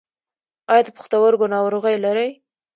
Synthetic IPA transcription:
ɑjɑd̪əpʊ̥xt̪awaɾɡonɑwɾoɣajlaɾəj

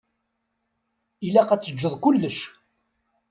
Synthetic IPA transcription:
ilæqæt͡sːəd͡ʒːəðˤkʊlːəʃ

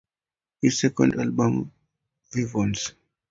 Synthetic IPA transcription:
hizsɛkɔ̰̃ndalbɔ̃m | vivɔ̃ns

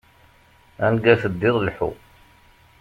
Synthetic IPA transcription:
ænɡæθəd̪ːɪðˤlħṵ

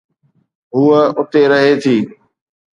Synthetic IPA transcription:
ɦʊːəʊt̪eɾəɦet̪ʰiː

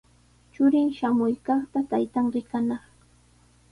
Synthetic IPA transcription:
t͡ʃʊɾɪŋʃamʊjkɑχt̪at̪ajt̪aŋɾɪkanɑχ

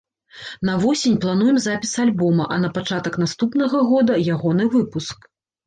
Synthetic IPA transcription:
nɐvɔsʲenʲplˠan̪ujɛmzapʲisalʲbɔmɐʔɐnɐpat͡ʂat̪ɐknast̪upn̪ɐɣɐɣɔd̪ɐjaɣɔnɨvɨpusk

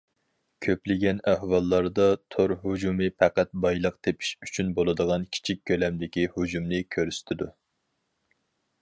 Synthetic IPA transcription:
kʲʰøplɪɡʲɛnæhwɑlˠːɑɾd̪ɑt̪ʰoɾɦud͡ʒumɨpʰɛqæt̪̚bɑjlˠəqt̪ʰepʰi̥ʃyt͡ʃʰynbolˠɨd̪əʁɑnkʲʰi̥t͡ʃʰik̚ʲkʲʰːølɛmd̪ɪkʲihud͡ʒumnɪkʲʰøɾyst̪ʰɪd̪u

